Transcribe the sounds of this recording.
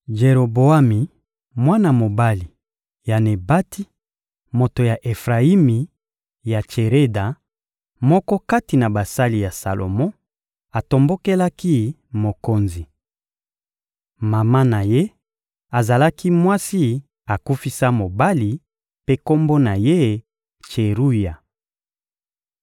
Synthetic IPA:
ʒe˨ʁo˨bo˨a˦mi˨ | mwa˦na˨mo˨ba˦li˨ | ja˨ne˨ba˦ti˦ | mo˨to˨ja˨ʔe˨fʁa˨i˦mi˨ | ja˨t͡ʃe˨ʁe˦da˨ | mɔ˦kɔ˦ka˦ti˨na˨ba˨sa˦li˨ja˨sa̰˨lʔo̰˨mɔ̃˦ | a˨to˨mbo˦ke˦la˦ki˦ | mo˨ko˦nzi˨ | ma˨ma˦na˨je˦ | a˨za˨la˦ki˦mwa˦si˦ | a˨ku˦fi˦sa˦mo˨ba˦li˨ | pe˦ko˦mbo˦na˨je˦ | t͡ʃe˨ʁu˦ja˨

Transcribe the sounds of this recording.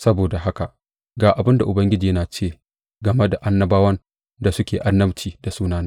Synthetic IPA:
sɐ˦boː˨da˨ɦa˦ka˨ | ɡaː˨ʔa˨bɪ˦nda˨ʔʊ˨bɐ˦ŋɡʲɪ˦d͡ʒiː˨jɐ˦naː˨t͡ʃeː˦˨ | ɡɐ˨me˦da˨ʔa˦nːɐ˦baː˦wɐ˦n | da˨sʊ˦kʲeː˨ʔa˦nːɐ˦mt͡ʃiː˨da˨suː˦naː˦ne˦

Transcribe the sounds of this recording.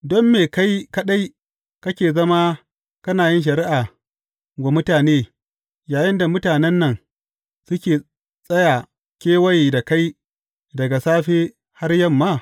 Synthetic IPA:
dɔ˦mːeː˨ka˦jkɐ˦ɗa˦j | kɐ˦kʲeː˨zɐ˦ma˦ | kɐ˦naː˨jɪ˦nʃ̬ɐ˨ɾɪ˦ʔa˨ | ɡʷo˨mʊ˦taː˨neː˦ | jaː˨jɪ˦nda˨mʊ˦taː˨nɛ˦nːɐ˨ŋ | sʊ˦kʲeː˨ | sʼɐ˦ja˨ | kʲeː˦wɐ˦jda˨ka˦j | dɐ˨ɡa˨saː˦ɸeː˦ | ha˦rjɐ˦˨mːaː˦˨

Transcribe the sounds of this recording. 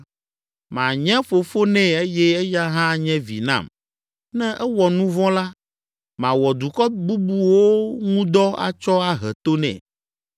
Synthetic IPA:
mã̰˨ɲɛ̃˦fo˨fo˦nɛ̃˦˨e˦jɛ˦ɛ˦ja˦ɦã˦˨ɲɛ̃˦vḭ˨nã̰˦˨m | nɛ̃˦ʔɛ˦wɔ˨nũ˦vɔ̃˦la˦ | mã˨wɔ˨d̪u˨kɔ˦bu˦bu˦wo˦ŋũ˦d̪ɔ˦a̰˦t͡ʃɔ˦a˦ɦɛ˨t̪o˦nɛ̰̃˨

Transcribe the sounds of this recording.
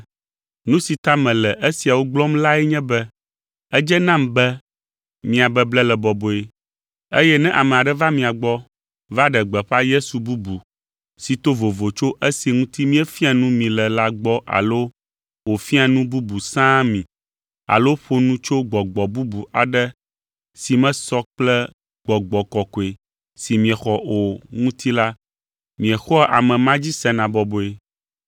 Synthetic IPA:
nũ˦si˨t̪a˦mɛ̃˨lɛ˨ʔe˦si˨a˨wo˦ɡ͡blɔ˦mla˦ɛ˦ɲɛ̃˦bɛ˦ | ɛ˦d͡ʒɛ˦nã˦˨mbɛ˦ | mĩ˨a˨bɛ˦blɛ˦lɛ˨bɔ˨bo˨e˦ | e˦jɛ˦nɛ̃˦ʔa˨mɛ̃˨a˨ɖɛ˦va˦mĩ˨a˨ɡ͡bɔ˦ | va˦ɖɛ˨ɡ͡bɛ˨ɸa˦je˦su˨bu˦bu˨ | si˨t̪o˦vo˨vo˨t͡ʃo˦ʔe˦si˨ŋũ˦t̪i˦mĩ˦ɛ˦fi˦a˨nũ˦mĩ˨lɛ˨la˦ɡ͡bɔ˦ʔa̰˨lo˦ | wo˨fĩ˦a˨nũ˦bu˦bu˨sã˦mĩ˨ | a̰˨lo˦ɸo˦nũ˦t͡ʃo˦ɡ͡bɔ˨ɡ͡bɔ˨bu˦bu˨a˨ɖɛ˦ | si˨mɛ̃˦sɔ˦k͡plɛ˦ | ɡ͡bɔ˨ɡ͡bɔ˨kɔ˨ko˨e˨ | si˨mĩ˨ɛ˨xɔ˦o˨ŋũ˦t̪i˦la˦ | mĩ˨ɛ˨xɔ˦ʔa̰˨mɛ̃˨mã˦d͡ʑi˦sɛ˦nã˨bɔ˨bo˨e˨

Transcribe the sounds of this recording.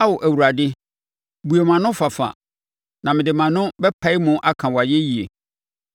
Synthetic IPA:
a˦wɔ˨ʔæ˨wu˨ɾa˨dɪ˦ | bu˨e˨mã˨nʊ̃˦fa˨fa̰˨ | nã˨mɪ̃˨dɪ˨mã˨nʊ̃˦bɛ˦pʰa˨˦ɪ˦mʊ̃˦ʔa˦kʰã˨wɔ˨a˨jɛ˦ji˨ḛ˨

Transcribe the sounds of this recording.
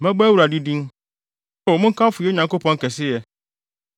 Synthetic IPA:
mɛ̃˦bɛ˦wu˨ɾa˨di˦dĩ˦n | ʊ˦˨mʊ̃˦ŋ̩˦kʰã˦fʊ˨ɛ˦ɲã˨ŋko˦pɔ̃˦ŋ˦kɛ˨sɪ˦jɛ˨

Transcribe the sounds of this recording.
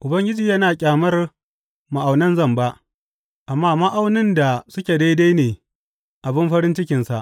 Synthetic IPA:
ʔʊ˨bɐ˦ŋɡʲɪ˦d͡ʒiː˨jɐ˦naː˨kʲʼaː˨mɐ˦r | ma˨ʔa˨wnɐ˦nzɐ˦˨mba˦ʔ | ʔa˨mːaː˦mɐ˦ʔa˦wnɪ˦nda˨sʊ˦kʲe˨da˦jda˦jneː˨ | ʔa˨bɪ˦mɸɐ˦ɾɪ˦nt͡ʃɪ˦kʲɪ˨nsa˨ʔ

